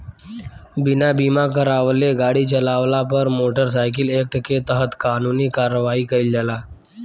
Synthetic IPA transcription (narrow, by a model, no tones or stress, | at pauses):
binabimakəɾaʋleɡaɽiːt͡ɕəlaʋlapəɾmoʈəɾs̬ajk̬ilek̚ʈket̪əɦət̪kanuniːkaɾəʋaiːkəild͡ʑala